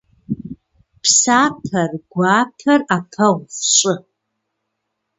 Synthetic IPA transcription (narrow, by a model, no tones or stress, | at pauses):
pʰsaːpʰɐrɡʷaːpʰɐrapʰɐʁʷχʃʷʼʊ